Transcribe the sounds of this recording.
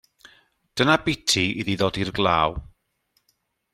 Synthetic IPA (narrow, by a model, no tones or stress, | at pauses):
d̥ənabɪtʰiiðiðoːdirɡlˠaːw